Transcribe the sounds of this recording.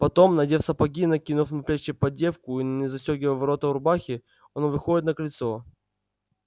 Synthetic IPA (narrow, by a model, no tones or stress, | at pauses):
pɐt̪o̞mnɐdʲefsɐpɐɡʲinɐkʲinʊfnɐpɾʲat͡ɕːɪpɐdʲe̞fkʊinənʲɪzɐsʲoɡʲɪvəvɐɾo̞t̪ɐʊɾbaxʲɪ | ɐnovɨxodʲɪt̪nəkɐlʲɪt̪so̞